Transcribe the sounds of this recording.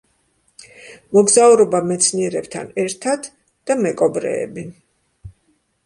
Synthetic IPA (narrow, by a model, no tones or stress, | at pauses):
mɔɡzauɾɔbamɛt̪sʰniɛɾɛbt̪ʰa̰nɛɾt̪ʰad̪ | d̪̥amɛkʼɔbɾɛ̰ːbi